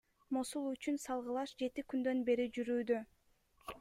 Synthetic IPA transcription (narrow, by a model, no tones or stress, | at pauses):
mosulˠyt͡ʃynsɑlˠʁɯlˠɑʃd͡ʒe̞t̪ikynd̪ø̞nbe̞ɾid͡ʒyɾyːd̪ø